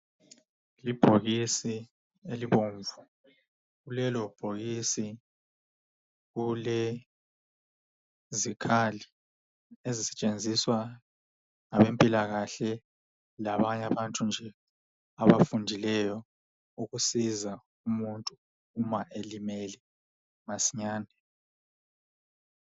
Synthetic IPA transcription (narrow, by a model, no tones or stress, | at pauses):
lib̥ʱoɣisi | eliβoːɱvu | ɣulɛlɔb̥ʱoɣisi | ɣulɛ | zikʰali | ezisɛ̥t͡ʃʼend͡zʱiswa | ŋaβempʼilaɣaɬɛ | laβaɲaβantʼund͡ʒʱɛ | aβafundʱilɛjɔ | uɣusiza | umuntʼuː | maʔelimɛlɛ | masiɲaːndʱɛ